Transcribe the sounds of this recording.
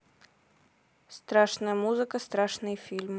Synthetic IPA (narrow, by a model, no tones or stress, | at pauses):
st̪ɾaʂnəjəmuzɨkəst̪ɾaʂnɨjfʲilʲm